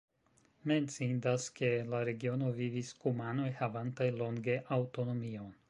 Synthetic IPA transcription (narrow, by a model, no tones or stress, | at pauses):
me̞nt͡sindaske̞laɾe̞ɡio̞no̞viviskumano̞jhavantajlo̞ŋɡe̞ʔawto̞no̞mio̞n